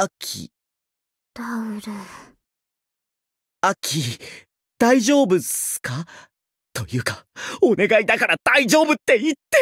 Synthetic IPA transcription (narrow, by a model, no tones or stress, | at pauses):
akʲʰḭ | d̪̥aɯɾe | akʲʰi | d̪̥aiʑo̞ːbɯ̟sɨ̥ka | t̪o̞jɯ̟ːkḁo̞ne̞ɡaid̪akaɾad̪̥aiʑo̞ːbɯ̟t̪ːe̞it̪ːe̞